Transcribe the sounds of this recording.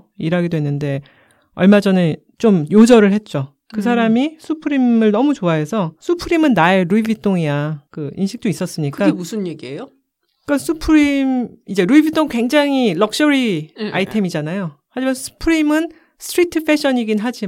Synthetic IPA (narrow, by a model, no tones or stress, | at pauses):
iɾaɡidowe̞nːɯnde̞ | ʌɭmad͡ʑʌnɯ | t͡ɕ͈omjod͡ʑʌɾɯɭhe̞t̚t͡ɕ͈o | kɯsʰaɾamisʰupʰɯɾimɯɭnʌmut͡ɕoaɦe̞sʰʌsʰupʰɯɾimɯnːaeɾuibit͈oŋiakɯinɕʰik̚t͈ois͈ʌs͈ɯɲikɯaemusʰɯnjeɡiejo | k͈asʰupʰɯɾimid͡ʑe̞ɾuibit͈ʰoŋkwe̞ŋd͡ʑaŋilʌk̚ɕ͈ʌɾia̰itʰe̞mid͡ʑanajo | had͡ʑimansʰu̥pʰɯɾimɯn | sʰtʰɾitʰɯpʰe̞ɕʰʌɲiɡinɦad͡ʑi